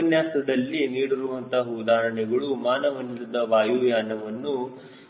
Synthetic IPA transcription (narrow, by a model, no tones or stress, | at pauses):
ɐnjaːsɐd̪ɐlːiniːɽiɾuʋɐnt̪ʰɐɦud̪aːɾɐɳɛɡɐɭumaːnɐʋɐnisɐd̪ɐʋaːjuːjaːnɐʋɐnːu